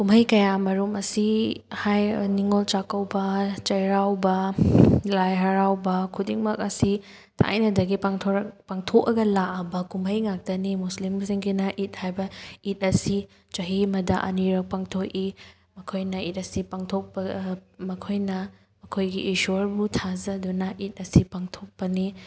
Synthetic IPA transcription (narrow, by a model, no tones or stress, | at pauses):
kumɐjkɐjamɐɾumɐsihajniŋolt͡ʃakɐwbɐt͡ʃɐjɾawbɐ | lajɦɐɾawbɐkʰudiŋmɐk̚ɐsi | tʰa̰jnɐdɐɡipaŋtʰoɾɐkpaŋtʰokɐɡɐlaɐbɐkumɐjŋak̚tɐnimuslimsiŋɡinɐʔit̚hajbɐit̚ɐsi | t͡ʃɐɦimɐdɐʔɐ̰niɾɐk̚paŋtʰok̚i | mɐkʰojnɐit̚ɐsipaŋtʰok̚pɐmɐkʰojnɐ | mɐkʰojɡiʔisoɾbutʰazɐdunɐʔit̚ɐsipaŋtʰok̚pɐni